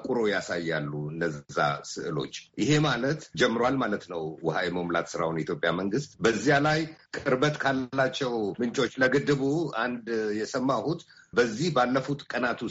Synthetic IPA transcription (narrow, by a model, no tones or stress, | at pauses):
kʼuɾo̞jasajːa̰lːuɨnːəzzːa̰sɨʔɨlo̰t͡ʃːjɪɦe̞malət̪d͡ʒɛmːɨɾwalmalət̪nəwwɔhajɛməmla̰t̪sɨɾa̰wnit̪jo̞pʼja̰məŋɡɨst̪bəzːijalajkʼɨɾbət̪ʼkʰalːat͡ʃːɛwmɨnt͡ʃʼo̞t͡ʃːləɡɨd̪ːɨβuand̪jɛsəmːahut̪ | bəzːihbalːəfut̪kʼənat̪ʰu